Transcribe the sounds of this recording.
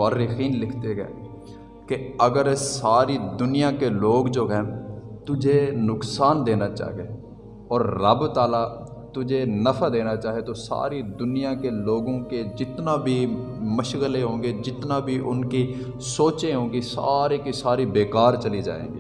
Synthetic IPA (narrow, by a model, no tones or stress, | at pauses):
aːɾɪxiːnlɪkʰt̪eɡɛ̰ː | keəɡəɾsaːɾid̪ʊnɪjãːkeloːɡd͡ʒoːɦɛ̃ːt̪ʊd͡ʒʱenʊksaːnd̪eːnaːt͡ʃa̰ːɦieː | ɔːɾːəbt̪aːla | t̪ʊd͡ʒʱenəfʰad̪eːnaːt͡ʃaːɦiet̪osa̰ːɾid̪ʊnijãːkeloːɡõked͡ʒɪt̪naːbʱi | məʃɣəleɦõːŋɡeːd͡ʒɪt̪naːbʱiʔʊnki | soːt͡ʃẽɦõːɡisa̰ːɾeːkisaːɾibeːkaːɾt͡ʃəlid͡ʒa̰ːḛːɡḭː